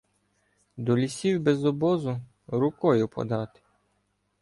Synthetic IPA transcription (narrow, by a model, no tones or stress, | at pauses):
d̪ɔlʲisʲiwbezɔbɔzʊ | ɾʊkɔjʊpɔ̰d̪ɑt̪ɪ̥